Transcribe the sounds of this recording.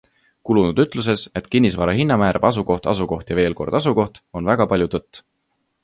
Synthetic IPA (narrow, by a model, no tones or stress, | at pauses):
kulunud̪yt̪ˑlus̬e̞se̞t̪ˑkinʲːisvɑɾɑɦinːɑmæːɾʔɑb̥ɑs̬uko̞ht̪ɑ̰suko̞ht̪jɑve̞ːlko̞rd̪̥ɑsuko̞ht̪o̞nvæɡ̥ɑpɑlʲjut̪ɤt̪ː